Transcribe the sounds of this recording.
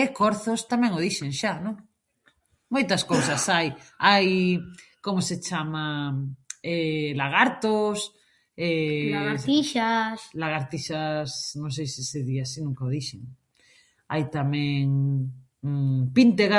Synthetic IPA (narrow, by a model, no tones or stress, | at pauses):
ekoɾθost̪amẽŋoðiʃeŋʃanõŋ | mojt̪askowsasajajkomoset͡ʃama | elaɣaɾt̪os | e | iʃaslaɣaɾt̪iʃasnõŋs̬ejsiseðiasinũŋkaoðiʃeŋ | ajt̪amɛ̃ŋ | pint̪eɣa